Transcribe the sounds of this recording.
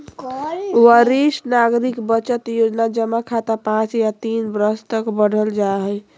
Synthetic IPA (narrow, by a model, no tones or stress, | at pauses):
wəɾisnaɡɾikbət͡ʃət̪jod͡ʒnad͡ʒəmːakʰat̪apãt͡ʃjat̪inbɾəst̪əkbəɽ̤ʱəld͡ʒaɦəj